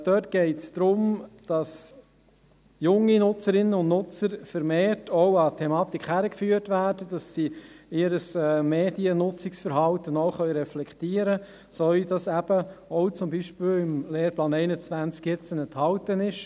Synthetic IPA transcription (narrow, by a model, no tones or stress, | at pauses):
d̥œːtɡ̥ɛɪtsd̪̥ɾʊmd̥ɑs | jʊŋːinʊt͡səɾɪnənʊndnʊt͡səɾfəɾmeːrtʰɔʊɑtʰɛmɑːt̪ikʰχhæɾəkfyːəɾtvæːɾdəd̥ɑsːiɪɾəsɛːmeːdiənʊt͡sɪksfəɾɦɑltənɔʊχœʏɾɛflɛktiːəɾə | sɔɥdɑsæb̥əɔʊt͡sʊmbiʃpɪːlɪmleːɾplɑːnɛɪnət͡svænt͡skjɪt͡sənɛnthɑwtənɪʃ